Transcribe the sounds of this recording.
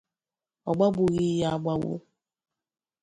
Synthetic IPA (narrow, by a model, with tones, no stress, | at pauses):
ɔ˨ɡ͡ba˦bʊ˨ɣi˦ja˦ɡ͡ba˦wʊ̰˦